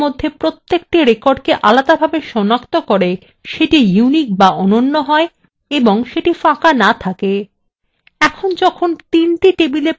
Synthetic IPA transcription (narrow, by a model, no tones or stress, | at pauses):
mod̪ʱːepɾot̪ːek̚ʈiɾekoɾɖkeʔalad̪abʱabeʃɔnakt̪okoɾe | ʃeʈijunik̚baʔɔnonːoɦɔe | eboŋʃeʈifãkanat̪ʰake | ɛkʰond͡ʑɔkʰont̪inʈiʈebile